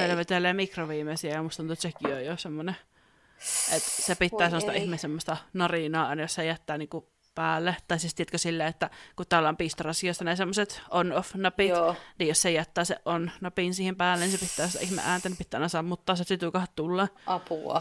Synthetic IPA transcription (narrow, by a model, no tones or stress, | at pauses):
elʋet̪elːˑeːmikroʋiːmesiæjɑmust̪ɑnt̪uet̪sekiojjosemːone | ʔet̪sepit̪ːæːsemːost̪ɑʔihmesemːost̪ɑnɑrinɑːɑˑinɑjossejæt̪ːæːniːŋku | pæːlːet̪ɑisist̪iæt̪køsilːeːet̪ːækut̪ælːɑompiːst̪orɑsioˑisːɑnesemːoset̪ʔonofnɑpiniːjossejæt̪ːæːseʔʔonnɑpiˑnsiːhempæːlːˑenisepit̪ːæːst̪ɑ̰ihmḛʔæːnt̪ænipit̪ːæːˑnɑsɑːmut̪ːɑːset̪sit̪ukɑhtt̪ulːɑɑpuɑ̰